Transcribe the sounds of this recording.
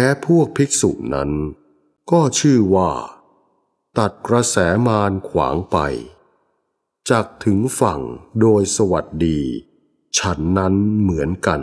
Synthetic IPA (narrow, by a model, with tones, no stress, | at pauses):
mɛː˦˥pʰu˥˩ək̚pʰi˦˥k̚sṵ˨˩na̰˦˥n | kɔː˥˩t͡ɕʰɯː˥˩waː˥˩ | t̪a˨˩t̪̚kɾa˧sɛː˩˦maː˧nkʰwa̰ː˩˦ŋpa̰˧j | t͡ɕaː˨˩k̚t̪ʰɯ˩˦ŋfa̰˨˩ŋdoː˧jsa˧wa˨˩t̪̚diː˧ | t͡ɕʰa˦˥nːa˦˥nmɯ˩˦ənka˧n